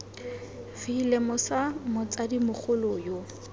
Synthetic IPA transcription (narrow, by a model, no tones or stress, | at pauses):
fiːlemʊsamʊt͡sʼadimʊχʰʊlojo